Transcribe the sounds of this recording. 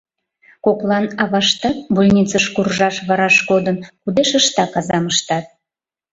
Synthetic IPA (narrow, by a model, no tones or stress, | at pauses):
koklˠɑnɑβɑʃt̪ɑbulʲnʲit͡səʃkurʒɑʃβɑɾɑʃkod̪ənkud̪eʃəʃt̪ɑkɑzɑməʃt̪ɑt̪̚